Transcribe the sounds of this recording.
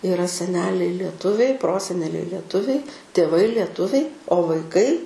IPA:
ɪˈrɐ sʲɛˈnʲæːlʲɛɪ lʲiɛˈtʊʋʲɛɪ ˈproːsʲɛnʲɛlʲɛɪ lʲiɛˈtʊʋʲɛɪ tʲeːˈʋɐɪ lʲiɛˈtʊʋʲɛɪ oː ʋɐɪˈkɐɪ

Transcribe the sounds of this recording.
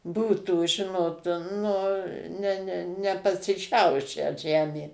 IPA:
ˈbuːtuː ˈʒʲɪnoːt ˈnʊ nʲɛ nʲɛ nʲɛpɐsʲɪˈʃʲɛʊʃʲæː ˈʒʲæːmʲeː

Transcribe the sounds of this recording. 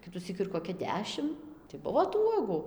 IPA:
ˈkʲɪtʊsʲiːk ɪr koːˈkʲɛ ˈdʲæːʃʲɪm tɐɪ ˈbʊʋoː tuː ˈuɔɡʊ

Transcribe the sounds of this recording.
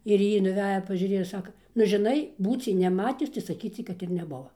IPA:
ɪr ˈjiː nʊˈʋʲæːjɛ pɐʒʲʊˈrʲeːjɛ ˈsɑːkɐ nʊ ʒʲɪˈnɐɪ ˈbuːt͡sʲɛɪ nʲɛˈmɑːtʲʊs tɐɪ sɐˈkʲiːt͡sʲɛɪ ˈkɐt ɪr nʲɛˈbʊʋɐ

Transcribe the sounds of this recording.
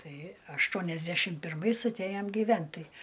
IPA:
ˈtɐɪ ɐʃˈtuɔnʲɛzʲdʲɛʃʲɪm pʲɪrˈmɐɪs ɐtʲˈæjɛm ɡʲiːˈʋʲɛnt ˈtɐɪ

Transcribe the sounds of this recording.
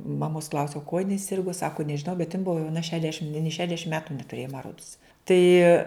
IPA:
mɐˈmoːs ˈklˠɐʊsʲɛʊ kuɔ jɪˈnɐɪ ˈsʲɪrɡʊ ˈsɑːkʊ nʲɛʒʲɪˈnɐʊ bʲɛt jɪn ˈbʊʋoː jɛʊˈnɐ ˈʃʲæːdʲɛʃʲɪm nʲeː ˈʃʲæːdʲɛʃʲɪm ˈmʲæːtʊ nʲɛtʊˈrʲeːjoː mɐ ˈroːts ˈtɐɪ

